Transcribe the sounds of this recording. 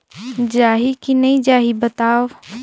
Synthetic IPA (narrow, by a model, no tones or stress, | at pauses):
d͡ʒaːɦikinɐĩd͡ʒaːɦibɐt̪aːʋ